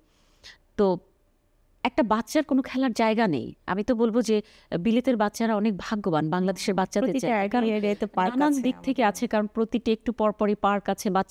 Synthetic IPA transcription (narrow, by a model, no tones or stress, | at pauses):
t̪o | ɛk̚ʈabatːɕaɾkonokʰɛlaɾd͡ʑaeɡanḛja̰mit̪obolbod͡ʑe | bilet̪eɾbatːɕaɾaɔnek̚bʱaɡobanbaŋlad̪eʃeɾbatːʃat̪et͡ɕakaɾoeɖet̪epanad̪ik̚t̪ʰekeat͡ɕʰekaɾonpɾot̪iʈiek̚ʈupɔɾpɔɾejpaɾkat͡ɕʰebatːt͡ɕ